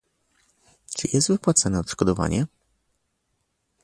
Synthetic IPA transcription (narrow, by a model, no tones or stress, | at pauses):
t͡ʂɘjɛst̪vɘpwat̪sanɛɔt̪ʂkɔd̪ɔva̰ɲɛ